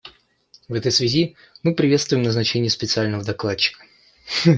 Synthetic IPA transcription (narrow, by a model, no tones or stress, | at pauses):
vɛt̪əjsvʲɪzʲi | mɨpɾʲɪvʲet̪st̪vʊjɪmnəznɐt͡ɕenʲɪjəspʲɪt̪sɨalʲnəvəd̪ɐklˠat͡ɕːɪ̥kə̥